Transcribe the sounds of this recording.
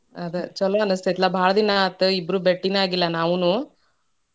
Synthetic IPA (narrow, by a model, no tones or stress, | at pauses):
ɐd̪ɐt͡ʃɔlːɐɐnust̪et̪lːɐbʱaːɭɐd̪inɐːt̪ːuibɾubeʈːinaːɡilːɐnaːʋunu